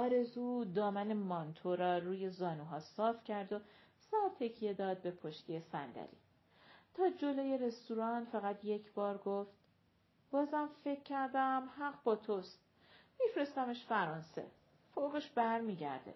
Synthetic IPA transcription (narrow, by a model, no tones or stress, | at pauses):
ʔɒːɾe̞zuːd̪ɒːmæne̞mɒnt̪ʰoɾɒːruːje̞zɒːnuːɦɒːsɒːfcʰæɾd̪o̞sɒːɾt̪ʰe̞cʰije̞d̪ɒːd̪̚be̞pʰoʃt̪ʰijesæ̰nd̪æ̰ɾḭː | t̪ʰɒːd͡ʒo̞loje̞ɾe̞st̪uːɾɒːnfæɣæt̪ʰje̞cʰbɒːɾɡoft̪ | b̥ɒːzæmfe̞cʰːæɾd̪æmhæɢbɒːt̪ʰo̞st̪̚ | mifɾe̞st̪æmeʃfæɾɒnse̞̰ | foɣeʃb̥æɾmiːɟæ̰ɾd̪ḛ